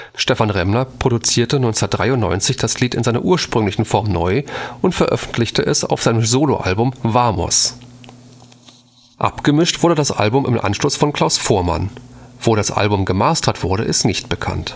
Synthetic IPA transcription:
ʃtɛfanʁɛmnɐpʁ̥oɾut͡siːɐtənɔʏnt͡sɐt̚d̥ʁaɪʊntnɔ̰ʏnt͡sɪçd̥asliːtɪnzaɪnɐ̰ʔuːɐʃpʁ̥ʏŋlɪçn̩fɔɐmnɔʏʔʊntfɛɐʔœ̰fn̩tʰlɪçtʰəʔɛsa̰ʊfz̥aɪnəmzoːlo̰ʔa̰lbʊmvaːmɔ̰s | ʔa̰pɡ̥əmɪʃtv̥ʊɐdədasʔa̰lbʊmʔɪ̰mʔa̰nʃlosfɔnkl̥aʊsfoːɐma̰nv̥oːɾasʔa̰lbʊmɡəmaːstʰɐtv̥ʊɐɾəʔɪstnɪçt̚b̥əkʰa̰nt

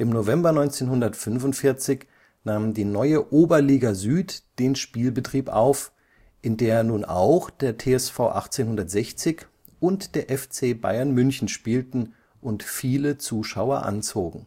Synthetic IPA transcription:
ʔɪmnovɛmbɐnɔʏnt͡seːnhʊndɐtfʏnfʊntfɪɐt͡sɪç | naːmndiːnɔʏəʔoːbɐliːɡazyːtd̥eːnʃpiːlbətʁ̥iːpʔa̰ʊf | ʔɪndeːɐnuːna̰ʊxd̥eːɐtʰeːɛsfaʊʔa̰χt͡seːnɦʊndɐtz̥ɛçt͡sɪç | ʔʊntd̥eːɐʔɛft͡seːba̰ɪɐnmʏnçn̩ʃpiːltn̩ | ʔʊntfiːlət͡suːʃaʊɐʔa̰nt͡soːɡŋ̩

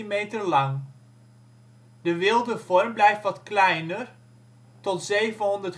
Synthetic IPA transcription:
imejtənlɑŋ | dəʋɪlˠdəv̥ɔɹmblɛjftʋɑtklɛjnər | tɔtzejvənɦɔndəɹt

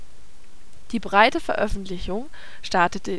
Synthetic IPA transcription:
d̥iːbʁaɪtəfɛɐʔœfn̩tlɪçʊŋ | ʃtaɐtətə

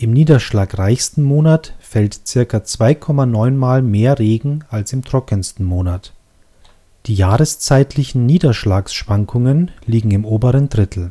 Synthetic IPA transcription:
ʔɪmniːdɐʃlaːkʁaɪçstn̩moːnatfɛltt͡sɪɐkɐt͡sv̥aɪkʰɔmanɔʏnmaːlmeːɐʁeːɡŋ̩alsɪmtʁ̥ɔkənstn̩moːnat | d̥iːjaːʁəst͡saɪtʰlɪçn̩niːdɐʃlaːksʃv̥aŋkʰʊŋənliːɡŋ̩ɪmoːbəʁəndʁɪtʰl̩

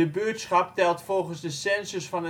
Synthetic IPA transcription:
əbyətsχɑptɛlˠtfɔlˠχənzdəsɛnzəsfɑnə

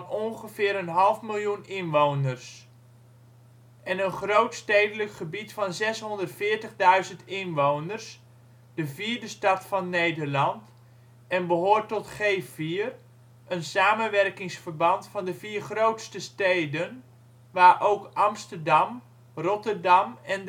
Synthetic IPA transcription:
nɔnχəvɪːɾənɦɑlˠfmɪlˠjunɪnʋownərs | ʔɛnənχrowtstejdələkχəbitfɑnzɛsɦɔndərtfɪːɹtəχdœɥzəntɪnʋownərs | d̥əviːɹdəstɑtfɑnːejdəɹlɑnt | ɛnbəɦʊːɹtɔtχejviːər | ʔənsaːmənʋɛrkɪŋsfəɹbɑntfɑndəviːrχrowtstəstejdən | ʋaːɹʔowkʔɑmstərdɑm | rɔtərdɑmɛn

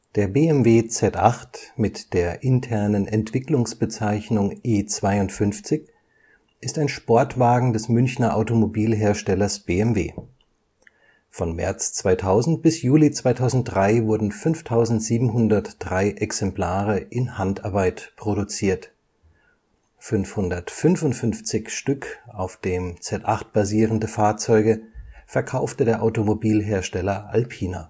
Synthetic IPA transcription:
d̥eːɐbeːɛmveːt͡sɛtʔa̰χtmɪtd̥eːɐʔɪntʰɛɐnənɛntv̥ɪklʊŋsb̥ət͡saɪçnʊŋʔeːt͡sv̥aɪʊntfʏnft͡sɪç | ʔɪstaɪnʃpɔɐtv̥aːɡŋ̩dɛsmʏnçnɐʔaʊtomobiːlɦeːɐʃtɛlɐsb̥eːɛmvḛː | fɔnmɛ̰ɐt͡st͡sv̥aɪtʰaʊzn̩t̚b̥ɪsjuːlit͡sv̥aɪtʰaʊzn̩t̚d̥ʁaɪvʊɐdn̩fʏnftʰaʊzn̩tz̥iːbm̩ɦʊndɐtd̥ʁaɪʔɛksɛmplaːʁəʔɪnhantaɐbaɪtpʁ̥oɾut͡siːɐt | fʏnfhʊndɐtfʏnvʊntfʏnft͡sɪçʃtʏkaʊfd̥eːmt͡sɛtʔaχt̚b̥aziːʁəndəfaːɐt͡sɔʏɡəfɛɐkʰaʊftədeːɐʔaʊtomobiːlɦeːɐʃtɛlɐʔalpʰiːna̰

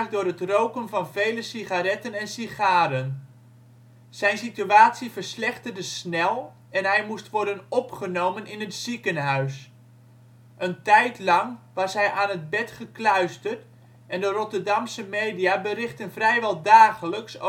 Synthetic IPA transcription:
χdʊːɾɦətrowkənvɑnv̥ejləsiχaɾɛtənɛnsiχaːɾən | sɛjnsityaːtsivərslɛχtərdəsnɛlˠ | ɛnɦɛjmustʋɔɹdənɔpχənowmənɪnətsikənɦœɥs | ʔəntɛjtlɑŋʋɑsɦɛjʔaːnɦəd̚bɛtχəklœɥstərt | ʔɛndərɔtərdɑmsəmeːdijabərɪχtənvrɛjʋɛlˠdaːχələks

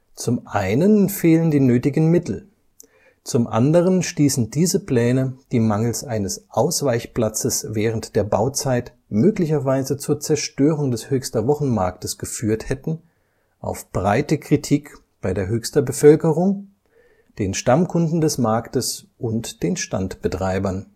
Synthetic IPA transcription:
t͡sʊmʔaɪnənfeːləndiːnøːtɪɡn̩mɪtʰl̩ | t͡sʊmʔa̰ndəʁ̞ənʃtiːsn̩diːzəpl̥ɛːnəd̥iːmaŋl̩sʔaɪnəsʔaʊsv̥aɪçpl̥at͡səsvɛːʁ̞əntd̥eːɐba̰ʊt͡saɪt | møːklɪçɐvaɪzət͡suːɐt͡sɛɐʃtøːʁ̞ʊŋdɛshøːçstɐvɔχn̩ma̰ɐk̚təsɡ̥əfyːɐthɛtn̩ | ʔa̰ʊfb̥ʁaɪtəkʁ̥itʰiːk | b̥aɪdeːɐɦøːçstɐbəfœlkəʁʊŋ | d̥eːnʃtamkʰʊndn̩dɛsmaɐktəsʔʊntd̥eːnʃta̰ntb̥ətʁ̥aɪbɐn

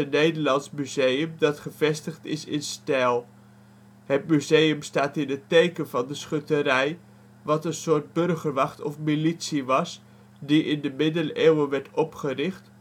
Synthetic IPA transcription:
ənejdəɹlɑnsmyzejəmdɑtχəv̥ɛstəχtɪsɪnstɛlˠ | ɦət̚myzejəmstaːtɪnɦətejkənvɑndəsχøtəɾɛj | ʋɑtənsʊːɹt̚bɵrχəɹʋɑχtɔfmilitsiʋɑs | diʔɪndəmɪdəleːwəʋɛɹtɔpχərɪχt

